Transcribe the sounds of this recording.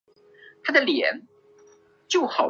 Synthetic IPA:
t̪ʰa˥d̪ə˨ljɛ˧˦n | t͡ɕjo˥˩ʊxɑ˨˩

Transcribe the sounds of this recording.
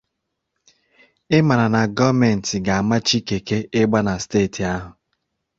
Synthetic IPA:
ɪ˦ma˨ɾa˨na˨ɡɔ˦me˨n̩˨tɪ˨ɡa˨a˨ma˦t͡ʃi˦ke˨ke˦ɪ˦ɡ͡ba˦na˨steː˦˨tʰi˨a˦ɦʊ˨

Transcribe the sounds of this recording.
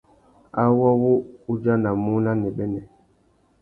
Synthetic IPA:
a˦wɔ˦wu˦u˦d͡ʒa˦na˨mu˦na˦nɛ˨ɓɛ˦nɛ˨

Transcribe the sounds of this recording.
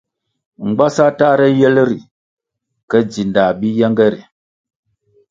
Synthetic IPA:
ŋ͡m̩˨ɡ͡ba˦sa˦ta˦ɾɛ˦jɛ˦lɾi˨ | kə˦d͡zi˨nda˨bi˦jɛ˦ŋɡɛ˦ɾi˨

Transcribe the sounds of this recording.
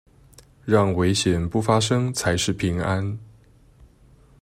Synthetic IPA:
ɻɑ˥˩ŋwe˧˥ɪɕjɛ˨˩npu˥˩fa˥ʂɤ˥ŋt͡sʰa˧˥ɪʂɻ̩˥˩pʰi˧˥ŋa˦˥n

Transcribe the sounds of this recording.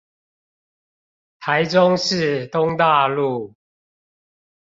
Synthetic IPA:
t̪ʰa˨˦ɪʈ͡ʂʊ˦ŋʂɻ̩˥˨t̪ʊ˦ŋt̪a˥˧lu˥˨

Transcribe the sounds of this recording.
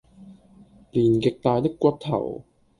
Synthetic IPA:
liː˨˩nkɪ˨k̚t̪aː˧jt̪ɪ˥kːʷɐ˧t̚t̪ʰɐ̰˨˩w

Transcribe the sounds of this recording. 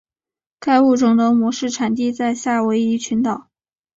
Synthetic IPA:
kʰa˥˧ɪu˥˩ʈ͡ʂʊ˨˩ŋt̪ɤ˧˥mwɔ˧˥ʂɻ̩˥˩ʈ͡ʂʰa˨˩nt̪̬i˥˧t͡sa˥˧ɪɕja˥˩we˧˥ɪi˧˥t͡ɕʰy˧˥nt̪ɑ˨˩˦ʊ

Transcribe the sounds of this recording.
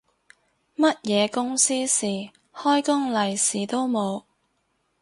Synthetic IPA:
mɐ˥t̚jɛː˨˧kʊ˥ŋsiː˥siː˨˩ | hɔː˥jkʊ˥ŋlɐ˨˩jsiː˨t̪o˥wmo˨˧w

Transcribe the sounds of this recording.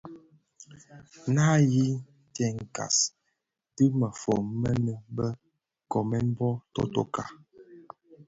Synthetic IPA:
na˦ji˦ | tɛ˦ŋ̩˨ka̰˨s | tə˦mə˨fɔ˨mmə˦nə˦bə˦ | kɔ˨mɛ˦m̩˦bɔ˦tɔ̰˦to̰˦ka˨

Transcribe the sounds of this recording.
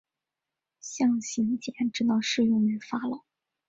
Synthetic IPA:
ɕjɑ˥˩ŋɕi˧˥nt͡ɕjɛ˧˥nʈ͡ʂɻ̩˧˥t̪ɑ˥˧ʊʂɻ̩˥˧jʊ˥˩ŋy˧˩fa˥lə˩

